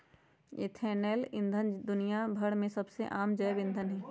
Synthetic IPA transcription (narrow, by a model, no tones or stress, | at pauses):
ɪ̰t̪ʰɛːnɛːlɪ̰̃nd̪ʱənd̪ʊnijabʱɐɽmẽsɐbseʔaːmd͡ʒɐːbɪ̃nd̪ʱənɦɛː